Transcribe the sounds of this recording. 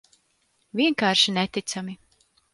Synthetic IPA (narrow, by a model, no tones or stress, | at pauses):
vʲiɛŋkaːɾʃinɛt̪it̪sami